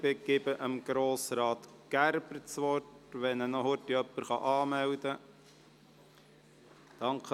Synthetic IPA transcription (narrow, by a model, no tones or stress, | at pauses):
beɡ̥ebəʔəmɡ̥ɾoːsɾɑːt̪ɡ̥æɾbəɾt͡sʋɔtʋɛnənɔɦʊtiœpːəɾχɑ̰ʔɑːmɛwd̪ə | d̥ɑŋkχ